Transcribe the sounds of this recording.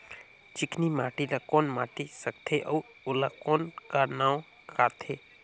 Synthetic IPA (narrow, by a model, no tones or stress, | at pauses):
t͡ʃɪkʰnimaːʈilakoːnmaːʈisək̚t̪ʰeʔɐw | olakoːnkanaːõ | kʰaːt̪ʰe